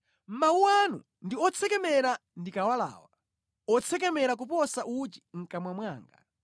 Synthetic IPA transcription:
m̩mauwanṵ | ndiɔt͡sʰɛkɛmɛɾandikawala̰ːwa | ɔt͡sʰɛkɛmɛɾak̬upɔsaʔut͡ʃi̥ŋ̩kamwamwaːŋɡa

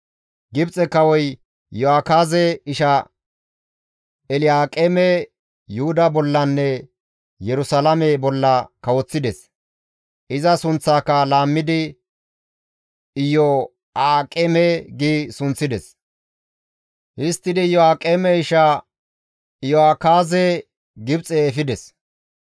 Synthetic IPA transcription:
ɡɪbt͡sʼɛkːɐwɔj | jɔaːkaːzɛɪʃɐ | ɛlɪjaːkʼeːmɛ | jʊhʊd̪ɐbɔlːɐnːɛ | jɛɾʊsalɐmɛbɔlːɐkɐwɔt͡sːɪd̪ɛs | ɪzɐsʊnt͡sːaːkːɐlaːmːɪd̪ɪ | ɪjɔ | aːkʼemɛɡiːsʊnt͡sːɪd̪ɛs | hɪst̪ːɪd̪ɪjɔaːkʼeːmɛɪʃa | jɔaːkaːze | ɡɪbt͡sʼeːfɪd̪ɛs

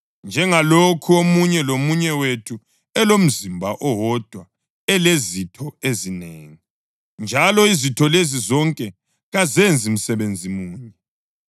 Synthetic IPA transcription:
nd͡ʒʱɛŋalokʰuomuɲɛlomuɲɛwetʰu | ɛlom̩zimbʱaʔɔwɔd̥ʱwa | ɛlezitʰɔezineːŋi | nd͡ʒʱalɔizitʰɔlezizɔŋkʼɛ | ɣazend͡zʱim̩sɛβend͡zʱimuːɲɛ

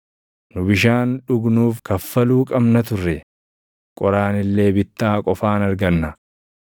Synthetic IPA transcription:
nʊbɪʃaːnᶑʊɡnuːfkɐfːɐluːkʼɐbnɐt̪ʊrːɛ | kʼɔɾaːnɪlːe̞ːbɪt̪ːaːkʼɔfaːnɐɾɡɐnːɐ

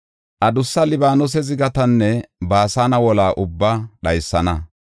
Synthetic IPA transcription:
ʔɐd̪ʊsːɐlɪbaːnɔs̬ɛzɪɡɐt̪ɐnːɛbaːsaːnɐwɔlaːʔʊbːɐɗɐjsːɐnɐ

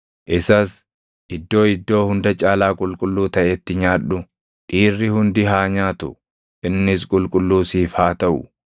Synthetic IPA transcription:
ʔɪsɐs | ʔɪd̪ːo̞ːɪd̪ːo̞ːhʊnd̪ɐt͡ʃʼaːlaːkʼʊlkʼʊlːuːt̪ɐʔɛt̪ːɪɲaːᶑʊ | ᶑiːrːɪhʊnd̪ɪɦaːɲaːt̪ʊ̰ | ʔɪnːɪs̬kʼʊlkʼʊlːuːsiːfhaːt̪ɐʔʊ̰

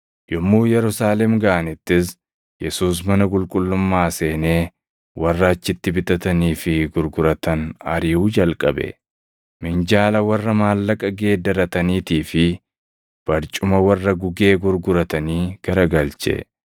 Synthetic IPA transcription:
jɔmːuːjɛɾʊsaːlɛmɡɐʔɐnɪt̪ːɪs̬ | jɛsuːs̬mɐnɐkʼʊlkʼʊlːʊmːaːse̞ːne̞ː | wʔɐrːɐːt͡ʃːɪt̪ːɪbɪt̪ʼɐt̪ɐniːfɪɡʊɾɡʊɾɐt̪ɐnɐ̰ɾiːhuːd͡ʒɐlkʼɐbɛ̰ | mɪnd͡ʒaːlɐwɐrːɐmaːlːɐkʼɐɡe̞ːd̪ːɐɾɐt̪ɐniːt̪iːfɪ | b̥ɐɾt͡ʃʼʊmɐwɐrːɐɡʊɡe̞ːɡʊɾɡʊɾɐt̪ɐniːɡ̥ɐɾɐɡɐlt͡ʃɛ̰

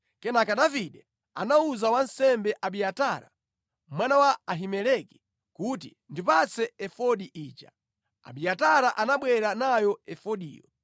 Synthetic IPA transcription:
kɛnakaɗaviɗɛ | a̰nauzawansɛmbɛʔaɓijataɾa̰ | mwanawaːɦimɛlɛki̥ | kuti | ndipat͡sɛɛfɔɗiʔiːt͡ʃa | a̰ɓiataɾaʔanaɓwɛɾanajɔɛfɔɗḭːjɔ̰

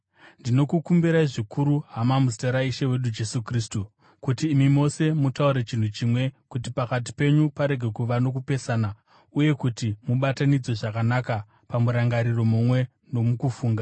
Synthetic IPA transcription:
ndino̞kukumbiɾaiʐikʰuɾuɦamamuzi̥teɾaiʃewe̞ɗud͡ʒe̞sukristu | kutiːmimo̞se̞mutauɾe̞t͡ʃin̤ut͡ʃiːmwe̞kutipakat̬i̥pe̞ɲupaɾe̞ɡʱe̞kuʋano̞k̬upe̞saːna | uje̞kutimuɓatanid͡zwo̞ʐakanaka | pamuɾaŋɡaɾiro̞mumwe̞ | no̞mukufuːŋɡa

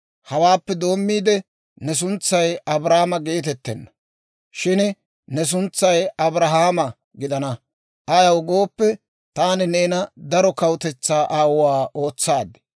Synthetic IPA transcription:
hɐwaːpːɛd̪o̞ːmːiːd̪ɛ | nɛs̬ʊnt͡sːɐjɐbɾaːmɐɡe̞ːt̪ɛt̪ːɛnːɐ | ʃɪn | nɛs̬ʊnt͡sːɐjɐbɾɐɦaːmɐ | ɡɪd̪ɐnɐ | ʔɐjɐwɡo̞ːpːɛ | t̪aːnɪneːnɐd̪ɐɾɔkɐwt̪ɛt͡sːaːʔaːwaːʔo̞ːt͡sːaːd̪ɛ̥

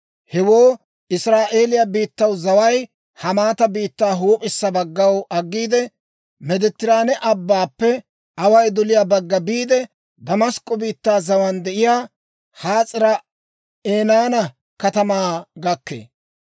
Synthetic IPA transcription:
hɛwoː | ɪsɾaːʔe̞ːlɪjɐbiːt̪ːɐwzɐwɐj | hɐmaːt̪ɐbiːt̪ːaːɦuːpʼɪsːɐbɐɡːɐwʔɐɡːiːd̪ɛ | mɛd̪ɛt̪ːɪɾaːnɛʔɐbːaːpːɛ | ɐwɐjd̪ɔlɪjaːbɐɡːɐbiːd̪ɛ | d̪ɐmɐskʼːɔbiːt̪ːaːzɐwɐnd̪ɛʔɪjaː | haːt͡sʼɪɾɐ | eːnaːnɐ | kɐt̪ɐmaːɡɐkːḛː

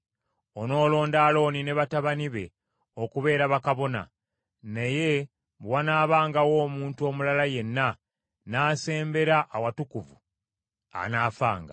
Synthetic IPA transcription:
o̞no̞ːlo̞ːndaːlo̞ːnine̞βataβaniβe̞̰ | okuβe̞ːɾaβakaβo̞na̰ | naje̞ | βwanaːβaːŋɡawo̞ːmuːntuo̞mulalaje̞nːa | naːse̞ːmbe̞ɾaʔːwatukuvu | a̰naːfa̰ːŋɡa̰

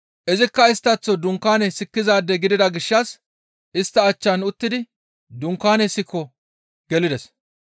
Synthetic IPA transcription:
ʔɛzɪkːɐɪst̪ːɐt͡sːɔd̪ʊŋkːaːnɛsɪkːɪzaːd̪ːɛɡɪd̪ɪd̪ɐɡɪʃːɐs | ʔɪst̪ːɐːt͡ʃːɐnʊt̪ːɪd̪ɪ | d̪ʊŋkːaːnɛsːɪkːɔ | ɡ̥ɛlɪd̪ɛs

